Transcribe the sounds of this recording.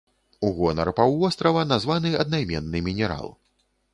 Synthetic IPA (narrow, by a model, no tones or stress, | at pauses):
uɣɔnɐ̰rpawvɔst̪ɾɐvɐnazvanɨɐd̪̚najmʲɛ̰nːɨmʲinʲɛɾa̰lˠ